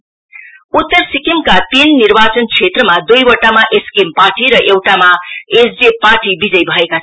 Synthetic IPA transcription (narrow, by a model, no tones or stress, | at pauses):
ut̪ːʌrsikimkat̪inːirbat͡sʌnt͡sʰet̪rʌmad̪ujbʌʈamaʔeskempaʈiɾʌʔewʈamaesd͡zepaʈibid͡zʌjbʱʌeka